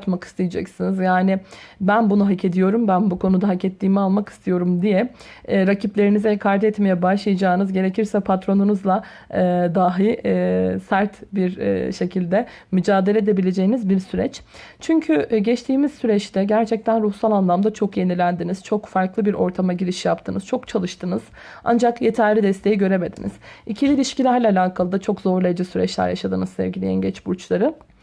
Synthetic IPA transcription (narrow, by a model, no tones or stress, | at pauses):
t̪maki̥st̪ʰejid͡ʒɛ̰csinizjaːnɪbænbunuɦacʰe̞d̪ijo̞ɾumbænbukʰo̞nud̪aɦacɛt̪ʰːiːmialˠmaki̥st̪ʰijo̞ɾumd̪ijɛ | ɾacʰiplʲe̞ɾinizɛkʰaɾd̪ɛɛt̪me̞jɛbaʃlˠajad͡ʒaːɯnɯzɟe̞ɾe̞cʰiɾsɛpʰat̪ɾo̞nunuzlˠa | d̪aɦi | sæɾt̪biɾ̰ʃe̞cʰilʲd̪ɛ | myd͡ʒaːd̪e̞lʲed̪e̞bilʲe̞d͡ʒe̞jinizbiɾsyɾɛ̰t͡ʃ | t͡ʃʰyɲcʰyɟɛt͡ʃt̪ʰiːmiz̥syɾɛt͡ʃt̪ʰɛɟæɾt͡ʃʰɛc̚t̪ʰænɾuhsalˠanlˠamd̪at͡ʃʰo̞kje̞nilʲænd̪iniz̥t͡ʃʰo̞kfaɾklˠɯbiɾo̞̰ɾt̪ʰamaɟiɾiʃijapt̪ʰɯnɯz̥t͡ʃʰo̞kt͡ʃʰalˠɯʃt̪ʰɯnɯz̥ | a̰nd͡ʒakje̞t̪ʰæɾlʲid̪ɛst̪ʰe̞jiɟø̞ɾe̞me̞d̪inḭz̥icʰilʲilʲiʃcilʲæɾlʲaalʲaːkʰalˠɯd̪at͡ʃʰo̞kzo̞ɾlˠejd͡ʒɛsyɾɛ̰t͡ʃlʲæ̰ɾja̰ʃad̪ɯnɯzsɛ̰vɟilʲejæ̰nɟɛt͡ʃbuɾt͡ʃlˠaɾɯ